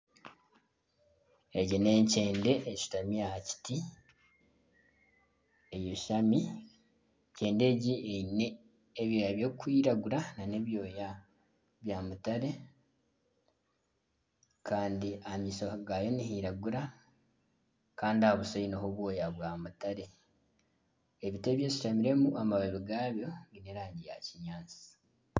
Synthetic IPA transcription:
eɟine̞ːɲce̞ːnde̞ʔeci̥tamijahaci̥ti | e̞joʃami | ce̞ːnde̞ːɟieneː | βjo̞ːjaβjo̞kwiːɾaɡuɾanane̞βjo̞ːja | βjaːmutaɾe̞ | kʰaːndiamiːsoɡajoniɦiɾaɡuɾa | kaːndiahoβusoinoɦoβwo̞ːjaβwaːmutaɾe̞ | eβite̞ːβje̞si̥ʃamiɾe̞muʔamaβeβiɡaːβjo̞βineɾaːɲɟija̰ciɲaːnt͡si̥

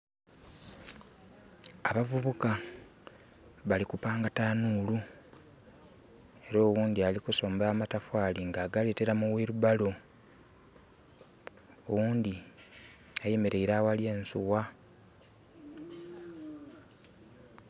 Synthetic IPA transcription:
aβavuβuka | βalikupaːŋɡataːnulu | e̞ɾo̞ːwuːnd̪ialikuso̞ːmbaːmatafwaːliŋɡaːɡale̞te̞ɾamuwiɾuβalo̞ | owuːnd̪i | aje̞me̞ɾe̞iɾawaljeːnsuwa

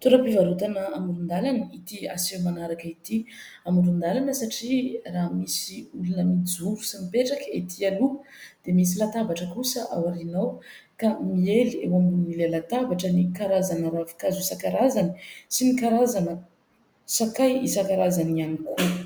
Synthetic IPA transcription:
t̪uɾəpivaɾut̪anəamuɾund̪alanəit̪ia̰sewmanaɾakəit̪i | amuɾund̪alanəsaʈ͡ʂiraɦmisiulunəmid͡zuɾusimipeʈ͡ʂakəet̪ʰialu | d̪̥emis̬ilat̪abaʈ͡ʂəkusəʔa̰waɾinawkamieliewamunilelat̪abaʈ͡ʂənikaɾazanəɾafi̥kazisakaɾazanisimikaɾazanə | sakajisakaɾazanianikʰu

